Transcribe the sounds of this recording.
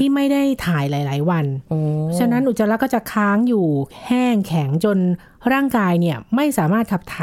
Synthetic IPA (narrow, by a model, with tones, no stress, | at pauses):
t̪ʰiː˥˩ma˥˩jda˥˩jt̪ʰaː˩˦jlaː˩˦jlaː˩˦jwa˧noɔ˦˥t͡ɕʰa˧na˦˥nʔu˨˩t̪̚sa˧la˦˥kɔː˥˩t͡ɕa˨˩kʰaː˦˥ŋjuː˨˩hɛː˥˩ŋkʰɛ˩˦ŋt͡ɕo˧n | ɾaː˥˩ŋkaː˧jni˥˩ɐma˥˩jsaː˩˦maː˥˩kʰa˨˩p̚t̪ʰaː˩˦